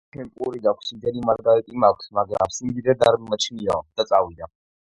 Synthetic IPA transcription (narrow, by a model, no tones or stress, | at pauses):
t͡ʃʰɛmpʼuɾiɡakʷʰsimd̪ɛnimaɾɡaɾɛt̪ʼimakʷʰsmaɡɾa̰simd̪id̪ɛd̪aɾmimat͡ʃʰniɔ̰d̪̥at̪sʼawid̪a